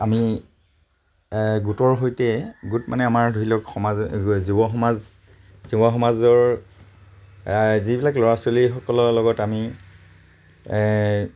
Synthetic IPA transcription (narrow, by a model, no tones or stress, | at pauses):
ami | ɡutɔɹɦojtɛɡutmʔa̰nɛamaɹdʱuilɔkxɔmazzubɔxɔmaz | zubɔxɔmazɔɹ | zibilaklɔɹasolixɔkɔlɔlɔɡɔtami